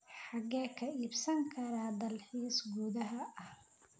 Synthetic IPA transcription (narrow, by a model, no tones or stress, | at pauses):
ħɑɡɛːkʰɐiːbsɐŋkʰɐɾɐd̪ɐlħiːsɡuːðɐɦɐɐh